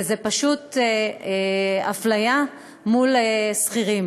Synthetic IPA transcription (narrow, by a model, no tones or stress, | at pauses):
zepaʃut̪eaflaja | mulesχiʁim